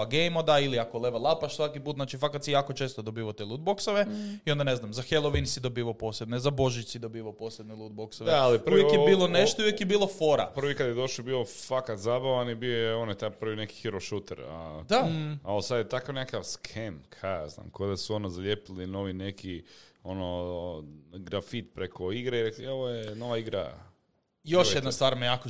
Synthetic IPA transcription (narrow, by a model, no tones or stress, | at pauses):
aɡejmod̪ailiakolˠeʋalˠapaʃsʋakipuːt̪znat͡ʃifakat̪sijaːkot͡ʃe̞ːst̪od̪obiːʋat̪elˠuːd̪̚boksoʋeiond̪aneznamzaxelˠoʋinsid̪o̞biːʋapo̞ːsled̪nezabo̞ʒisid̪o̞biːʋaopo̞ːsled̪nelˠud̪̚boksoʋealipujekjebiːlˠoneʃt̪ouʋjekjebiːlˠo̞foɾa̰pr̩ʋikad̪jed̪o̞ʃobiofakat̪zabaʋanibiojeonojet̪apr̩ʋineki̥xiɾoʃut̪ḛɾa̰d̪aalosad̪jet̪akaʋnekaʋskʰemkʰazna̰ːmkod̪asuo̞nozaʎepilino̞ʋinekʰio̞no | ɡɾafit̪pɾekʰoiɡɾeiɾeklieʋojeno̞ʋaiɡɾa̰ | jo̞ʃjed̪nast̪ʋaːɾmejako